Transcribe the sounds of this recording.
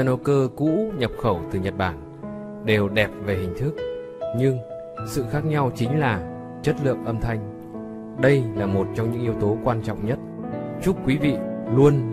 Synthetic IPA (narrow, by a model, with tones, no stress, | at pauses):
no˧kəː˧kṵ˧˥ɲə˨˩p̚xə˧˩wt̪ɨ˨˩ɲə˨˩t̚ɓaː˧˩n | ɗe˨˩wɗɛ˨˩p̚ve˨˩hï˨˩ŋ̟t̪ʰɨ˦˥k̚ | ɲɨ˧ŋ | sɨ̰˧˨xaː˦˥k̚ɲa˧wt͡ɕï˨˦ŋ̟laː˨˩ | t͡ɕə˦˥t̚lɨ̰˧˨əŋʔə˧mt̪ʰa˧jŋ̟ | ɗə˧jlaː˨˩mo˨˩t̚t͡ɕɔ˧wŋ͡mɲɨ̰˧˥ŋʔi˧əwt̪o˨˦kwaː˧nt͡ɕɔ̰˧˨wŋ͡mɲə˦˥t̚ | t͡ɕu˦˥k͡p̚kːwi˨˦vḭ˧˨lu˧ən